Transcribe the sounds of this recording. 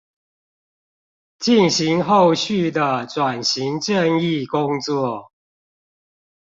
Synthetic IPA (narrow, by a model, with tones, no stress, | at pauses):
t͡ɕi˥˨nɕi˨˦ŋxo˥˧ʊɕy˥˨d̪ə˨˩ʈ͡ʂwa˨˩nɕi˨˦ŋt͡ɕə˥˧ni˥˨kʊ˦ŋt͡swɔ˥˨